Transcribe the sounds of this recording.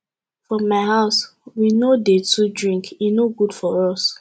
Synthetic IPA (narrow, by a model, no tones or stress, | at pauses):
fɹɔmaɪɦaʊswinodetʰudɹĩŋkinoɡudfɔɹɔs